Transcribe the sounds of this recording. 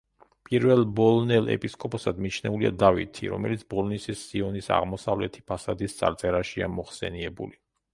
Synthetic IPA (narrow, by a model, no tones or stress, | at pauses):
pʼiɾvɛlˠbɔlnɛlˠɛ̰pʼiskʼɔpʼɔsad̪mit͡ʃʰnɛuliad̪avḭt̪ʰḭɾɔ̰mɛlit̪sʰbɔlnisisːiɔnisa̰ʁmɔsavlɛt̪ʰi̥pʰasad̪ist̪sʼa̰ɾt̪sʼɛɾaʃiamɔχsɛ̰niɛbṵli